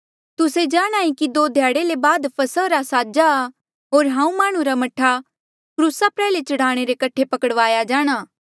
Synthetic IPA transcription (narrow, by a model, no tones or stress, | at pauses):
t̪ʊsed͡ʒaːɽ̃aːĩkid̪oːd̪ʱjaːɽelebaːd̪pʰɐsəɾasaːd͡ʒaː | ɦoːɾɦãːũmaːɽ̃ũɾamɐʈʰa | kɾuːsapɾɛːlet͡ʃɐɽ̤aːɽ̃eɾekɐʈʰepɐkəɽʋaːjad͡ʒaːɽ̃aː